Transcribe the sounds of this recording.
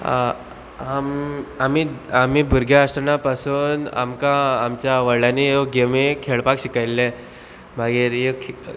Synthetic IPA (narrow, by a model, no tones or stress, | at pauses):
amamiamibʱuɾɡjaːsʈənapasuːna̰mkaːmt͡ɕjaʋəɭanijoɡemekʰeɭpakɕikajle | m̤aɡiːɾjekʰ